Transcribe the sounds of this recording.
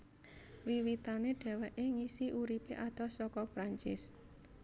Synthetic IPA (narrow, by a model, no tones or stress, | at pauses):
wiwit̪aneɖ̥ɛ̤wɛʔeŋisiʔuɾipeʔat̪ɔsɔkɔpɾaɲt͡ʃɪs